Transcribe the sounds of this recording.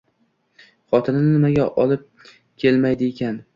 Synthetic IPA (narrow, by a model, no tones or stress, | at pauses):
χɒt̪ʰɪnɪnɪmaɡʲaʔɒlˠɪp̚ | kʲʰe̞lmajd̪ɪekʲan